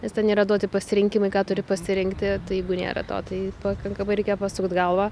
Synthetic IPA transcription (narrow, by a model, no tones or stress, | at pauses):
nʲɛst̪ʲɛnnʲeːɾɐd̪uɔt̪ʲɪpɐsʲɪɾʲɪŋʲkʲɪmɐɪkɑːt̪ʊɾʲɪpɐsʲɪɾʲɪŋkt̪ʲɪt̪ɐɪjɛɪɡʊnʲḛːɾɐ̰t̪o̰ːt̪ɐɪpɐkɐŋkɐmɐɪɾʲɛɪkʲejɔpɑsʊkt̪ɡɐlˠʋɑː